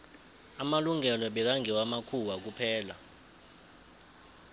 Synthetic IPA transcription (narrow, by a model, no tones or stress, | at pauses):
amaluŋʱɛlɔɓɛk̬aŋɡʱɛwamakʰuwak̬upʰɛːla̰